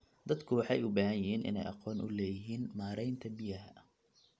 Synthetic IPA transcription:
d̪ɐd̪kʰʊwɑħɑjʊbɐːhɐjɪhiːnʔɪ̰nɛ̰jʔɑqɔːnʔʊlɛːjɪɦiːnmaːɾɛjnt̪ʰɐbɪjɐɦɐ

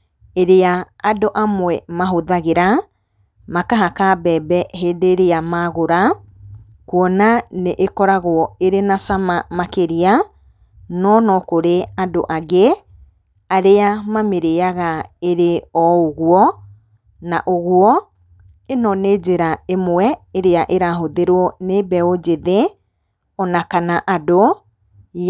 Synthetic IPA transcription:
eɾeaadoʔamwɛmaɦoðaɣeɾa | makaɦakabɛːbɛɦeːdeːɾeamaɣoɾa | kwɔnaneʔekɔɾaɣwɔeɾenasamamakeɾia | nɔnɔkoɾeadoʔaɣe | aɾeamameɾeaɣaeɾeɔoɣwɔ | na̰ʔoɣwɔ | enɔneːd͡ʑeɾaemwɛeɾeaʔeɾaɦoðeɾwɔnebɛod͡ʑeðe | ɔnakanaʔado

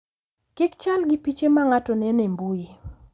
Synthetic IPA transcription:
kɪkt͡ʃalɡɪpit͡ʃemaŋatɔnɛnembui

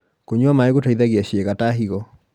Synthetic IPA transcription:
koɲwamaeɣotaiðaɣiaɕeɣataɦiɣɔ

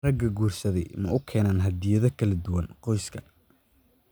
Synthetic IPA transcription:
rɐɡɐɡuːrsɐðɛjmɐ̰ʊkʰɛːnaːnɦɐd̪ɪjɐðɐkʰɐlɐd̪ʊwɐnqɔjskʰɐ

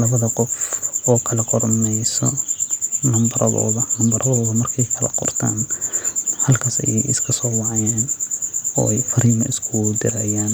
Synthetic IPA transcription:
lɐβɐðɐqɔfɔːkʰɐlɐqɔrnɛjsɔ̰ | nɐmbɐɾɐðɔ̰ːðɐnɐmbɐɾʔɐðɔːðɐmɐrkʰɛjkʰɐlɐ̰qɔ̰rt̪ʰa̰ːn | hɐlkʰaːsɛ̰jɛjɪ̰skʰɐsɔːwɑʕjɛːn | ɔ̰ːɛjfɐɾiːmɐɪskʰʊd̪ɪɾɐjaːn

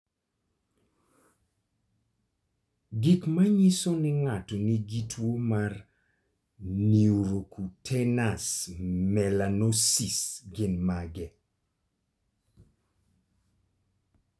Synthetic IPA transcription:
ɡikmaɲisonɪŋatoniɡitʰwomar | niuɾokutʰɛnasmɛlanɔsisɡɪnmaɡɛ

